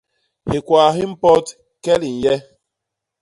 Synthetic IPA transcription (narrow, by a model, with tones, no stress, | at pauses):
hɪ˨kʷa˨ɦɪ˦m̩˦pɔ˦t | kɛ˦li˨n̩˨jɛ˦